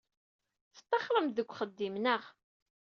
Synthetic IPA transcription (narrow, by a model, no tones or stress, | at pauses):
θə̥t̪ˤːɑχɾˤəmðəɡʷːχəd̪ːimnəʁ